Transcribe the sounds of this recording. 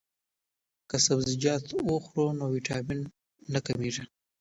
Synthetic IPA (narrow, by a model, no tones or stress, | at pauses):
kasabzɪd͡ʒɑt̪oxɾonowiʈʰɑminː | akamiʐa